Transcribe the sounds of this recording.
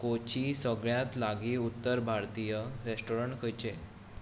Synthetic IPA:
kot͡ɕisəɡɭjãt̪laɡiːut̪ːəɾbʱaɾt̪ijəɾesʈoɾəɳʈkʰəjt͡ɕe

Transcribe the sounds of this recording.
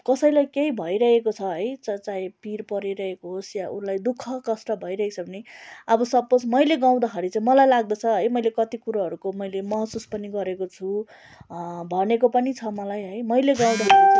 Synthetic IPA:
kʌsʌjlajkejbʱʌjɾʌɦekot͡sʰʌɦʌjt͡sʌt͡saĩpirpʌɾiɾʌɦekoɦosjaʔunlajd̪ukʰːʌkʌsʈʌbʱʌiɾʌɦekt͡sʰʌbʱʌniʌbʌsʌbosmʌjleɡãw̃d̪ʌɦʌɾit͡saĩmʌlajlaɡ̚d̪ʌt͡sʰʌɦʌjmʌjlekʌt̪ikuɾaɦʌɾukomʌjlemʌɦsuspʌniɡʌɾekot͡sʰu | bʱʌnekopʌnit͡sʰʌmʌlajɦʌjmʌjleɡãw̃d̪aɦʌɾi

